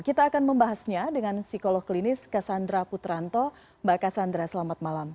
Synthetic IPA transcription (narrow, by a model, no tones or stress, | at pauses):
kit̪aːkanməmbaɦasɲadəŋansikolɔhklinɪskasand̪ɾaput̪ɾant̪ɔ | bakasand̪ɾasəlamat̪̚malam